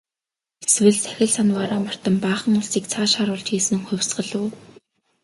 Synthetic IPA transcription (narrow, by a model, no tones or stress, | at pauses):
eswɘ̆ɮsæ̥xʲɪ̆ɮsanwaɾaːmə̆r̥t̪ə̆mpaːχə̆ŋʊɮsiːk̚t͡sʰaːʃaːɾʊːɮt͡ɕxiːsɘ̆ŋχʊ̟wʲsɢə̆ɮuː